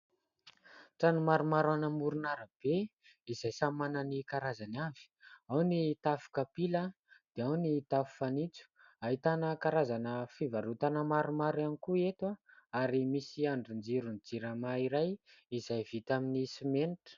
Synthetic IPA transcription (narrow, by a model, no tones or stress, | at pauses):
ʈ͡ʂanumaɾumaɾanəmuɾunaɾəb̥e | izajsamanənikaɾazanav̥i̥awnit̪afu̥kapila | d̪̥eawnit̪afu̥fanit͡su̥ | aɦit̪anəkaɾazanəfivaɾut̪anəmaɾumaɾanikuet̪waaɾimisiaɳɖ͡ʐund͡ziɾund͡ziɾamaiɾajizajvit̪aminisimenʈ͡ʂə̥